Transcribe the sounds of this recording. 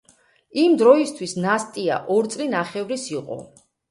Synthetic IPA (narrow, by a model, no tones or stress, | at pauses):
imd̪ɾɔist̪ʰwisnast̪ʼia̰ʔɔɾt̪sʼlinaχɛvɾisiqʼɔ̰